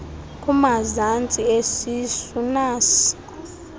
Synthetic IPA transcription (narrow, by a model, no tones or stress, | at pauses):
kʼumazant͡sʼiesisunaːsi̥